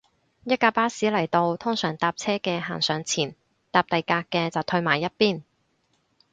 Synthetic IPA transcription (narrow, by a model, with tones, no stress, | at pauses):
jɐ˥t̚kaː˧paː˥siː˨˥lɐ˨˩jt̪o˧wt̪ʰʊ˥ŋsœː˨˩ŋt̪aː˧p̚t͡sʰɛː˥kɛː˧ɦa̰ː˨˩nsœː˨˥ŋt͡sʰiː˨˩n | t̪aː˧p̚t̪ɐ˨jkaː˧kːɛː˧t͡sɐ˨wt̪ʰɵ˧ɥmaː˨˩jːɐ˥t̚piː˥˩n